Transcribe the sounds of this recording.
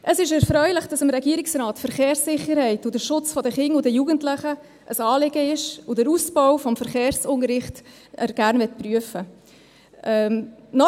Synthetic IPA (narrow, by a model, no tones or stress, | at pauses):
ʔəsɪʃɛɾfɾœʏləχd̥ɑsəmɾɛɡiəɾɪksrɑːtfəɾχeːɾsɪχːəɾhɛɪtʊd̥əʃʊt͡sfɔdəχɪŋʊdəjuːɡəntlɪχə | ʔəsɑːlɪɡəɪʃʊd̥əɾusbɔʊfɔmfəɾχeːɾsʊnəɾɪχt | əɾɡ̥æɾnvɛt̚pɾyəfə | ɛnɔ